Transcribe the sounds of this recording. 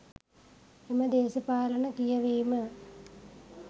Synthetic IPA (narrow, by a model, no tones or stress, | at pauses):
imɐd̪eːɕɐpaːlɐɳɐkijɐʋeːmɐ